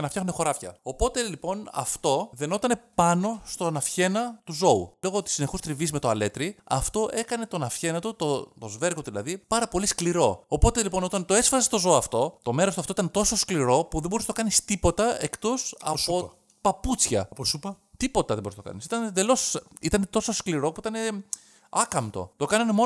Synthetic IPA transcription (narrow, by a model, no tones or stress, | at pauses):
ɐnɐfçɐxundexo̞ɾɐfçɐ̰opo̞t̪e̞lipo̞nɐ̰ft̪o̞ðe̞no̞t̪ɐne̞pɐno̞st̪o̞nɐfçe̞nɐt̪uzo̞ṵlo̞ɣot̪i̥sineçust̪ɾivizme̞t̪oɐle̞t̪ɾiɐ̰ft̪o̞ʔe̞kɐne̞t̪o̞nɐfçe̞nɐt̪ut̪ot̪ozve̞ɾɣot̪uðilɐðipɐɾɐpo̞liskliɾo̞opo̞t̪elipo̞no̞t̪ɐnt̪oe̞sfɐsest̪o̞zo̞ːɐft̪o̞t̪o̞me̞ɾost̪uɐft̪oit̪ɐnt̪o̞soskliɾo̞puðe̞mboɾisnɐt̪okɐnist̪ipo̞t̪ɐe̞kt̪o̞sɐ̰o | pɐput͡sçɐ̰ppɐt̪ipo̞t̪ɐðeboɾisnɐtokɐ̰nisit̪ɐned̪e̞lo̞sit̪ɐnet̪o̞soskliɾo̞puit̪ɐne̞ | ɐkɐmt̪o̞̰t̪o̞kɐnɐnemo